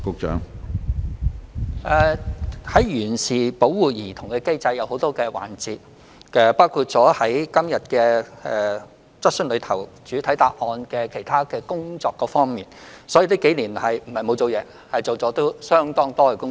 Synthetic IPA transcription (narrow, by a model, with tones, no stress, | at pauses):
kʊ˧k̚t͡ʃœ̰ː˨˥ŋ | ʔɛː˨˩hɐ˨˥jjyː˨˩nsiː˨˩po˨˥wwuː˨jiː˨˩t̪ʰʊ˨˩ŋkɛː˧ke˥jt͡sɐ˧jːɐ˨˧who˨˥wt̪ɔː˥kɛː˧wa̰ː˨˩nt͡siː˧t̚ | ɛː˨˧paː˥wkʰuː˧t̚t͡sɔː˨˥hɐ˨˥jkɐ˥mjɐ˨t̚kɛː˧ɛ˨ | t͡sɐ˥t̚sɵ˥nlɵ˨˧ɥt̪ʰɐ˨˩wt͡ʃyː˨˥t̪ʰɐ˨˥jt̪a̰ː˧k̚ʔɔː˧nkɛː˧kʰe˨˩jt̪ʰaː˥kɛː˧kʊ˥ŋt͡sɔː˧kːɔː˨˥fɔː˥ŋmiː˨nsɔː˨˥jiː˨˧liː˥ke˨˥jliː˨˩nhɐ˨jm̩˨˩hɐ˨jmo˨˧wt͡so˨wjɛː˨˧ | hɐ˨jt͡so˨wt͡sɔː˨˥t̪o˥wsœː˥ŋt̪ɔː˥ŋt̪ɔː˥kɛː˧kʊ˥ŋ